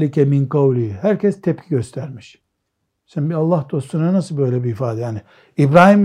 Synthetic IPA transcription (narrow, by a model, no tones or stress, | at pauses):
licʰɛminqɑwlʲihæɾcʰɛst̪ʰɛp̚cʰiɟøst̪ʰæɾmiʃ | ʃænbialˠːahd̪̥o̞st̪unanasɯlˠbø̞jlʲɛbiːfaːd̪ɛjaːni | ibɾaːhim